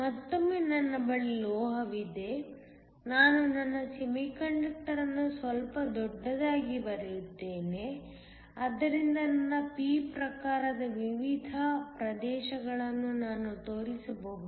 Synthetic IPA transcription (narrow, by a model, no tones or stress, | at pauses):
mɐt̪ːomːeːnɐnːɐbɐɭilɔːɦɐʋid̪e̞ | naːnunɐnːɐsemikɐɳɖɐk̚ʈɐɾɐnːusʋɐlpɐd̪ɔɖːɐd̪aːɡibɐɾɐjut̪ːeːne | ɐd̪ːɐɾind̪ɐnɐnːɐpiːpɾɐkaːɾɐd̪ɐʋiʋid̪ʱɐpɾɐd̪ɛːʃɐɡɐɭɐnːunaːnut̪oːɾisɐbɐud̪